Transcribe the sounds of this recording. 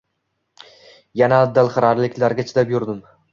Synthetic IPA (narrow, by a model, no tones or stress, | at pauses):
janaːd̪ːalˠχɨɾaɾlɪkʲlaɾɡʲat͡ʃʰɪ̥lapjʊɾd̪ɪm